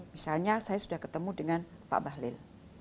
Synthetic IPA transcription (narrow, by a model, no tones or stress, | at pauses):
misalɲasajasudahkət̪əmudəŋan | pa̰ʔbaɦlɪl